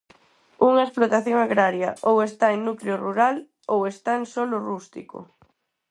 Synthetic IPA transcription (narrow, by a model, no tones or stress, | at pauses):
uŋɐesplot̪aθjoŋaɣɾaɾjɐʔowest̪aeŋnukleoruɾal | owest̪aeŋsolorust̪ḭko̰